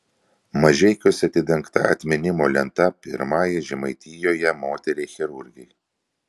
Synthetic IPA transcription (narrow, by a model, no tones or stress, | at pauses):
mɐʒʲɛɪkʲʊsʲɐt̪ʲɪd̪ʲɛŋˑkt̪ɐ̰ɐ̰t̪ʲmʲɪnʲɪmoːlʲɛnt̪ɐpʲɪ̰ɾmɑːjɛʒʲɪmɐɪt̪ʲijoːjɛmoːt̪ʲɛɾʲeːxʲɛɾʊɾʲɡʲɛɪ